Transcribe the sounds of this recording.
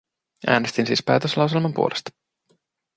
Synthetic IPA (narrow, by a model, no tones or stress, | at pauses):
ʔæ̰ːne̞st̪insiːspæːt̪øslɑws̬e̞lmɑmpṵolest̪ɑ̥